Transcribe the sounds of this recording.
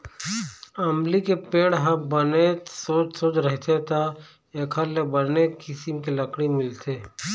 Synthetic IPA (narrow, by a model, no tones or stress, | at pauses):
ɐmlikepeːɽɦɐbɐnesoːt͡ʃsoːt͡ʃɾɐɦt̪ʰet̪a | eːkʰaɾlebɐnekɪsimkilɐkɽimɪlt̪ʰeː